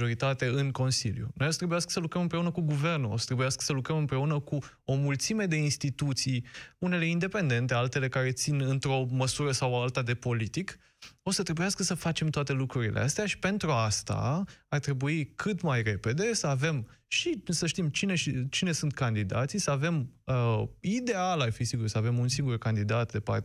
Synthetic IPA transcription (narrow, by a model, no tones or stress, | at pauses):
oɾit̪at̪eɨŋko̞nsḭljṵnojost̪ɾebujaskə̥səlukɾəmɨmpɾe̞unəkuɡuve̞rnuo̰sə̥t̪ɾe̞bujaskə̥səlukɾəmɨmpɾe̞unəku | o̞mult̪sime̞d̪e̞inst̪it̪ut̪sijune̞le̞ind̪e̞pe̞nd̪e̞nt̪e̞alt̪e̞le̞kaɾe̞t̪sinɨnt̪ɾo̞məsuɾəsawalt̪ad̪e̞po̞lit̪ik | o̞sət̪ɾe̞bujaskəsəfat͡ʃe̞mt̪oat̪e̞lukɾuɾilʔḛast̪eaʃi̥pe̞nt̪ɾuast̪a̰art̪ɾe̞buikʰɨt̪majre̞pe̞d̪e̞səave̞m | ʃisəʃt̪imt͡ʃine̞ʃit͡ʃine̞sunt̪̚kand̪id̪a̰t̪sisəave̞məid̪e̞alarfisiɡursəave̞munsiŋɡurkand̪id̪at̪d̪e̞pa̰r